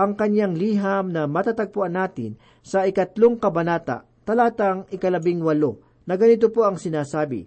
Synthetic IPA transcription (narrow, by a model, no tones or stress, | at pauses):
ʔɐŋkɐɲjaŋliːɦɐmnɐmɐt̪at̪ɐɡ̚pʊʔanːaːt̪ɪ̰n | sɐɪkɐt̪loŋkɐbɐnaːt̪a̰ʔ | t̪ɐlaːt̪aŋɪkɐlɐbɪŋwɐlo | nɐɡɐnɪt̪opoɐŋsɪnaːsaːbɪ̰